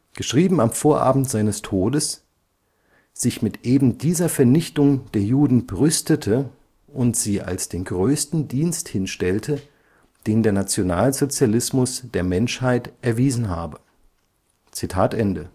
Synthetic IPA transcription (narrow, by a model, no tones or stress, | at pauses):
ɡ̥əʃʁ̥iːbm̩amfoːɐʔa̰ːbm̩tz̥aɪnəstʰoːdəs | z̥ɪçmɪtʔeːbm̩diːzɐfɛɐnɪçtʊŋd̥eːɐjuːdn̩bəʁʏstətʰə | ʔʊntz̥iːʔa̰lsd̥eːnɡʁøːstn̩diːnsthɪnʃtɛltʰə | d̥eːndeːɐnat͡sjonaːlzot͡sjalɪsmʊsd̥eːɐmɛnʃhaɪtʔɛɐviːzn̩ɦa̰ːbə | t͡sitʰaːtʔɛndə